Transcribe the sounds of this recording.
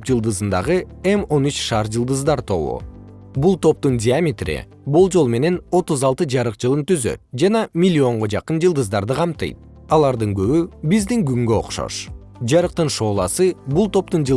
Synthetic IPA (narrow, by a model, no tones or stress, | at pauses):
pd͡ʒɯlˠd̪ɯzɯnd̪ɑ̰ʁɯemo̞nyt͡ʃʃɑːɾd͡ʒɯlˠd̪ɯzd̪ɑɾt̪ʰo̞βṵ | bulˠt̪o̞p̚t̪undʲiamʲit̪rḭ | bulˠd͡ʒo̞lˠme̞ne̞no̞t̪uzɑlˠt̪ɯd͡ʒɑɾɯqd͡ʒɯlˠɯnt̪yzø̰t̪̚d͡ʒɑnɑmʲilʲːio̞ɴʁo̞d͡ʒɑqɯnd͡ʒɨlˠd̪ɯzd̪ɑɾd̪ɯqʰɑmt̪ɯ̰jt̪̚ | ɑlˠɑɾd̪ɯŋɡø̞βybizd̪iŋɡyŋɡøo̰qʃo̞̰ʃ | d͡ʒɑɾɯq̚t̪ɯnʃo̞ːlˠɑsɯbulˠt̪o̞p̚t̪und͡ʒ